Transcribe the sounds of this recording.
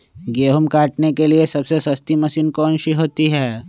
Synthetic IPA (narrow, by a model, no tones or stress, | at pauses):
ɡeːɦʊmkaːʈnekeliesɐbsesɐst̪imɐsiːnkoɐ̃nʃiɦoːt̪iɦɛː